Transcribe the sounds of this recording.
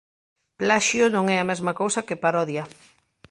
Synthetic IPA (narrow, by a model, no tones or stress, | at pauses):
plaʃjonõŋɛamɛzmɐkowsɐkɪpaɾɔðjɐ